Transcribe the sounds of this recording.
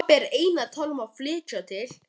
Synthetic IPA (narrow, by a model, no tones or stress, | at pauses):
pɛɾeːjnat̪ʰalmaðflɪːt͡ʃat̪ʰɪl̥